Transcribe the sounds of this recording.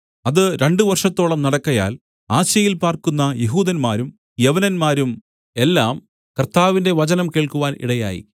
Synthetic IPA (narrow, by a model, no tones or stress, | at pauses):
ɐðɨɾe̞ɳɖɨʋɐrʂɐt̪ːo̞ːɭɐmnɐɽɐkːɐja̰ːl | aːɕjɐjilpaːrkunːɐjeɦuːðɐnmaːɾum | jɐʋɐnɐnmaːɾum | e̞lːaːm | kɐrt̪aːʋinde̞ʋɐt͡ɕɐnɐmke̞ːɭkuʋaːnʔḭɽɐja̰ːjḭ